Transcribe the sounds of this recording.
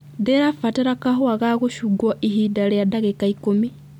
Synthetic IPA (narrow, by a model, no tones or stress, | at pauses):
deɾafateɾakaɦoaɣaɣuʃuɡoʔiɦidaljadaɣekaikumi